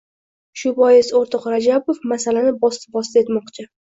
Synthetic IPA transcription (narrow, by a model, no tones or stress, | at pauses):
ʃʊbɒjɪsoɾt̪ʰɒqɾad͡ʒabofmasalanɪbɒsbɒst̪e̞t̪mɒqt͡ʃʰɪ